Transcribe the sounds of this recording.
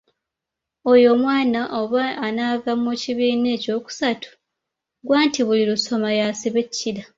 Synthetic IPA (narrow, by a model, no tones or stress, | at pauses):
ojo̞mwaːnaʔoβaːnaːɡamuciβiːne̞ːco̞ːku̥satu̥ | ɡwaːntiβuliɾuso̞majasiβe̞cʰːila